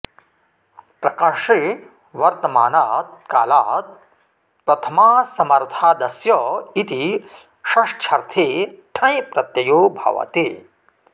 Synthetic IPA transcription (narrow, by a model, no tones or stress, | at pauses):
pɾɐkaʂe | ʋɐɾt̪ɐmaːnaːt̪̚kaːlaːt̪̚ | pɾɐt̪ʰɐmaːsɐmɐɾt̪ʰaːd̪ɐsjɔit̪i | ʃɐʂt͡ʃʰɐɾt̪ʰeːʈʰɐ̃jpɾɐt̪jɐjoːbʱɐ̰ʋɐ̰t̪eː